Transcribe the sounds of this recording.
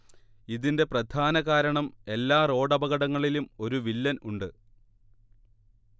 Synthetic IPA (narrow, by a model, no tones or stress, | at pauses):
iðinde̞prɐd̪ʱʰaːnɐɣaːɾɐɳɐme̞lːaːro̞ːɖɐbɐɣɐɽɐŋːɐɭilumo̞ɾuʋilːɐnuɳɖɨ